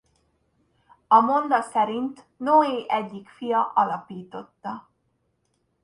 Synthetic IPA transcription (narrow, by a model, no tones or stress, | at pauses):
ɒmo̞nd̪ɒsɛɾint̪ | noːeːʔɛɟːikfijɒʔɒlɒpiːt̪o̞t̪ːɒ